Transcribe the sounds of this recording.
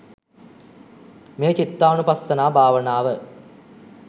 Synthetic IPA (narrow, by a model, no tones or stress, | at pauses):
meːt͡ʃit̪ːaːʋɐnupasːənaːbʱaːʋənaːʋə